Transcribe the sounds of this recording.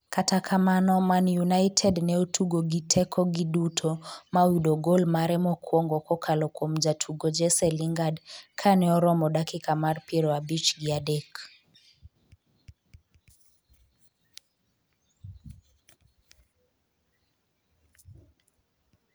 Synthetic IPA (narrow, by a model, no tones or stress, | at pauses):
katakʰamanɔmanjunaitʰɛdnɛotʰuɡɔɡitʰɛkʰɔɡiɗutʰɔmawiɗɔɡɔlmaɾɛmɔkʰwɔŋɡɔkɔkʰalɔkom̩d͡ʒatʰuɡɔd͡ʒɛsɛliŋɡadkʰanɛɔɾɔmɔɗakikamaɾpiɾɔabit͡ʃɡiadɛk